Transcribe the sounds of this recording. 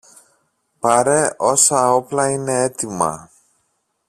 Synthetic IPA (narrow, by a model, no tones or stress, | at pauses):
pɐɾe̞ʔo̞sɐo̞plɐine̞et̪imɐ̰